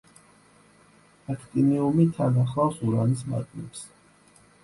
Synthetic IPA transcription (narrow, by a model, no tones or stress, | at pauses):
akʰt̪ʼiniumit̪ʰad̪aχlawsuɾanisma̰t̪ʼmɛps